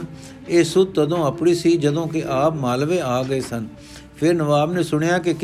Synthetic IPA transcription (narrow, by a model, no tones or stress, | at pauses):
eːsʊd̪̚t̪əd̪õːəpɽiːsiːd͡ʒəd̪õːk̬ɪʔaːpmaːlʋeːaːɡəeːsən | pʰɪɾnəʋaːbnẽːsʊɳ̃ejaːk̬ɪk